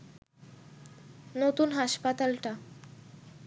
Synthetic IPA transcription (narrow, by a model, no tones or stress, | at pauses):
not̪unɦaʃpat̪alʈa